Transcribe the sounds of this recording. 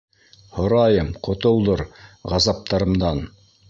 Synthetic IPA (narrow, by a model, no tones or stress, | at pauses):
hŏɾɑjɤmqŏt̪ŏlˠd̪oɾʁɑzɑp̚t̪ɑɾɤ̆md̪ɑn